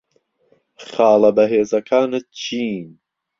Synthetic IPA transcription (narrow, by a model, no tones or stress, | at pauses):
χɑːlɐbɐɦeːzɐkʰaːnɨt̪̚t͡ʃʰiːn